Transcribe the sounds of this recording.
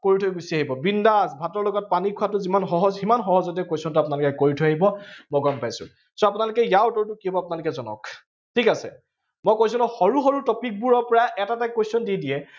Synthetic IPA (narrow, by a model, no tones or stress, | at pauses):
koɹitʰɔjɡusiaɦibɔbindasbʱatɔɹlɔɡɔt̚panikʰʊatʊzimanxɔɦɔzɦimanxɔɦɔzɔtiɛkojsiɔntʊapʊnalʊkɛkoɹitʰɔjaɦibɔmɔɡɔmpajsʊ̰̃ | sɔapʊnalʊkɛjaʊtɔɹtʊkiɔbɔapʊnalʊkɛzɔnɔ̰k | tʰikasɛ̰ | mɔjkojsunɔxɔɹuxɔɹutɔpik̚buɹɔpɔɹaʔɛtatakwojsɔndiɛdiɛ